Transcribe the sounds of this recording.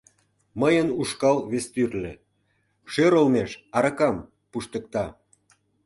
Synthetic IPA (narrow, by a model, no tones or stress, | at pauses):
məjənuʃkɑlβest̪yrlĕ | ʃøɾolmeʃɑɾɑkɑm | puʃt̪ə̆k̚t̪ɑ